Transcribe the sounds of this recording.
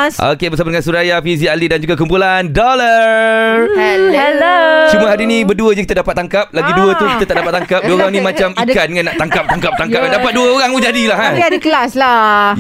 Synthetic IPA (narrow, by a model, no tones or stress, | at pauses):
ʔo̰kebərsabatdəŋansuɾajafiz̬ialidand͡ʒuɡakumpulandɔla | hɛlot͡ʃumũəɦadinĩbərduəd͡ʒakit̪adapat̪̚ːaŋkap̚laɡiduət̪ukit̪at̪aʔdapat̪ːaŋkap̚duəoɾaŋnĩmãt͡ʃamikandəŋãnːaʔt̪aŋkap̚t̪aŋkap̚t̪aŋkap̚kadapat̪̚duəoɾaŋmud͡ʒadilaɦapiadəklasla